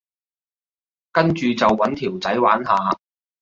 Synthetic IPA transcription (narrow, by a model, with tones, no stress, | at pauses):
kɐ˥nt͡ʃyː˨t͡sɐ˨wːɐ˨˥nt̪ʰiː˨˩wt͡sɐ˨˥jwaː˨˥nɦaː˨˧